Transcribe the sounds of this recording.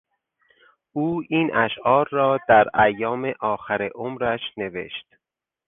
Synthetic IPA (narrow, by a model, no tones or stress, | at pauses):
ʔuːiːnæʃʔɒːɾːɒːd̪̥æɾʔæjːɒːmeʔɒːxæɾeʔomɾæʃne̞ve̞̰ʃt̪